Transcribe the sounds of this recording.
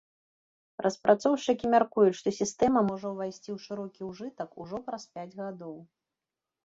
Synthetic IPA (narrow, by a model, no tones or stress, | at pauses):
ɾʔɐspɾʔat̪sɔwt͡ʂɨkʲimʲarkujut͡sʲʂt̪ɔsʲist̪ɛmɐmɔʐɐwvʲajsʲt͡sʲiwʂɨɾɔkʲiwʐɨt̪ɐkuʐɔpɾɐspʲad͡zʲɣad̪ɔw